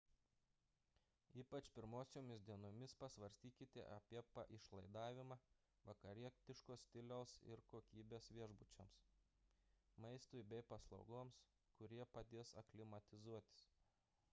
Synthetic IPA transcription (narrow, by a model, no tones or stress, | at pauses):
iːpɐt͡ʃʲpʲɪɾmoːsʲoːmʲɪsd̪ʲiɛnoːmʲɪspɐsʋɐɾʲsʲt̪ʲiːkʲɪt̪ʲɪ̰ʔɐpʲiɛpɐʔɪʃlˠɐɪd̪ɑːʋʲɪmɑː | ʋɐkɐɾʲiɛt̪ʲɪʃkoːsʲt̪ʲɪlʲoːsɪ̰ɾkoːkʲiːbʲeːsʋʲiɛʒbʊt͡ʃʲɛms | mɐɪst̪ʊɪbʲɛɪpɐslˠɒ̰ʊɡoːms | kʊɾʲiɛpɐd̪ʲeːsɐ̰klʲɪmɐt̪ʲɪzuɔt̪ʲɪ̥s